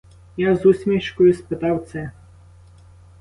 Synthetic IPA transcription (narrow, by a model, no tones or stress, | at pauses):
jazusʲmʲiʃkɔjʊspɪt̪ɑwt̪sɛ